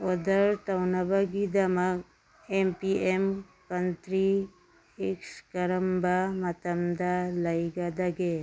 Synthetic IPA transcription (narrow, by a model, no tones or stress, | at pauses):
ɔd̪aɾtawnabaɡid̪amak̚ | empiem | kant̪ɾi | ikskaɾəmbamat̪amd̪alajɡad̪aɡe